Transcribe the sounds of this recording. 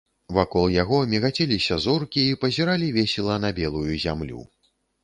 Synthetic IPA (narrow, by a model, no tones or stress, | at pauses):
vakɔlˠjaɣɔmʲiɣat͡sʲɛlʲisʲɐzɔrkʲiːpɐzʲiɾalʲivʲɛsʲɛlˠɐnɐbʲɛlˠujuzʲamlʲṵ